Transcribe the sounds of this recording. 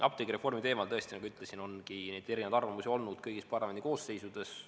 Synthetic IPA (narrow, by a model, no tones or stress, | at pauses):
ɑp̚t̪eɡiɾe̞fo̞rmit̪e̞ːmɑlt̪ɤest̪inɑɡuyt̪ˑle̞sino̞nkine̞jd̪̥eɾinevɑd̪ɑrvɑmusio̞lnud̪̥kɤjɡ̥ispɑrlɑmed̪iko̞ːsːe̞jsud̪̥e̞s